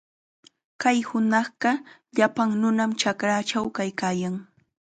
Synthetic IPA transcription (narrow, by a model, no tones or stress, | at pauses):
kajhʊnɑχɢɑʎapaŋnʊnamt͡ʃakɾat͡ʃawkajkaːjaŋ